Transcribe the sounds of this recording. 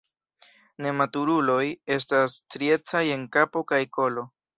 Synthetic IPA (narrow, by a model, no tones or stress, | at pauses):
ne̞matuɾulo̞je̞s̬tastɾie̞t͡saje̞ŋkapo̞kajko̞lo̞